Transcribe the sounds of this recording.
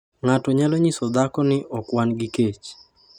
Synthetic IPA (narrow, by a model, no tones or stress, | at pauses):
ŋatɔɲalɔɲisɔd̪akɔnɪʔɔkwanɡɪket͡ʃ